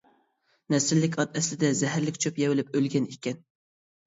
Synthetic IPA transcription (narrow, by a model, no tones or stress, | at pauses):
nɛsɪlːɪkʲɑt̪ɛslɪd̪ɛzɛɦæɾlɪkʲt͡ʃʰøpjɛwɪlɪpølɡʲɛnikʲɛn